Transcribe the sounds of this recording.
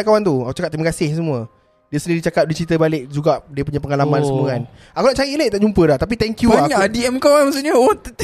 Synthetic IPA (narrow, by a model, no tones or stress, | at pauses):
kawant̪uakut͡ʃakap̚t̪ɾiməkasɪhs̬əmuə | diəsəniɾit͡ʃakap̚diət͡ʃɾit̪əbalɪk̚d͡ʒuɡaʔdiəpuɲãpəŋalamãnsəuŋan | akunaʔt͡ʃaɾileʔt̪aʔd͡ʒumpədaht̪ap̬it̪ɛŋkjuɲadiɛmkawanmas̬uʔɲəot̪